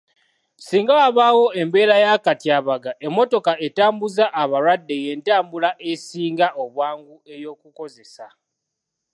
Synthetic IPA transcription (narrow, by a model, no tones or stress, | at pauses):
siːŋɡawaβawo̞e̞mbe̞ːɾajakatiaβaɡaʔe̞mːo̞to̞kae̞taːmbuzaʔaβaɾwadːe̞je̞ːntaːmbulaʔesiːŋɡaʔo̞βwaːŋɡue̞jo̞kuko̞ze̞sa